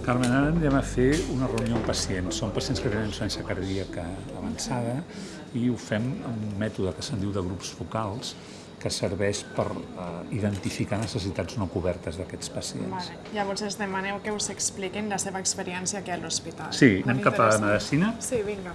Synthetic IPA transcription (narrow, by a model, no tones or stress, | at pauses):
kaɾmenaɾanɛməfeunərəunioəmpəsiensːompəsienskət̪enə̃ninsuɾɛnsjəkəɾðiəkəːβənsaðə | iufɛmə̰munmɛt̪uðəkəsənd̪iwðəɣ̞ɾupz̥fukalˠs | kəsəɾβɛʃpəɾiðənt̪ifikanəsəs̬it̪ad͡znokuβɛɾt̪əzðəkɛt͡spəsiḛnasl | jaβɔɾzezðəmanɛwkeuzəksplikinləseβəːkspəɾiɛnsjakialuspit̪alsinɛmkapəməðəsinəsiβiŋɡa